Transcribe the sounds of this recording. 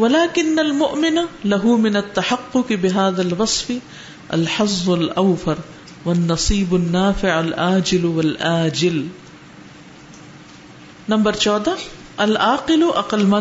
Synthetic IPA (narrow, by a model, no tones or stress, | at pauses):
walaːkɪnːalmʊʔmɪnalaɦʊmɪnat̪ːaħɑqːʊqbɪɦaːðalwɑsˤfɪ | ʔa̰lħɑzˤːʊlʔawfɑɾˤ | wanːɑsˤiːbanːaːfɪʕalʔaːd͡ʒɪlwalʔaːd͡ʒɪl | nambɑɾˤt͡ʃoːd̪a | ʔalʔaːqɪlʔɑqɑlma